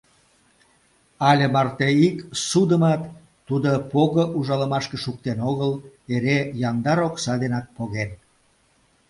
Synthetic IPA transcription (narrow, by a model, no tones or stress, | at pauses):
ɑlʲemɑrt̪eiksud̪əmɑt̪ː | ud̪opoɣəʔuʒɑləmɑʃkeʃuk̚t̪enoɣəleɾejɑnd̪ɑɾoksɑd̪enɑk̚poɣen